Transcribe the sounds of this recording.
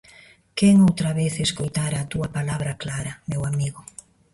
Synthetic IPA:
keŋowt̪ɾaβeθeskojt̪aɾaːt̪uɐpalaβɾaklaɾɐmewamiɣʊ

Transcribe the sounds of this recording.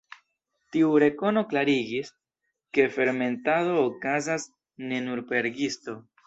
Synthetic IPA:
tiuɾe̞ko̞no̞klaɾiɡis | ke̞fe̞ɾme̞ntaðo̞ːkazas | ne̞nuɾpe̞ɾɡisto̞

